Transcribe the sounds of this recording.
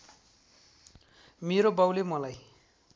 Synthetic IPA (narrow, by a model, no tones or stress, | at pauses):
meɾobawlemʌlaj